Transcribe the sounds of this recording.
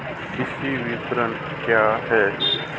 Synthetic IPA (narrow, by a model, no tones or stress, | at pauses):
kisiʋit̪ɾən | kjaɦɛt͡ʃ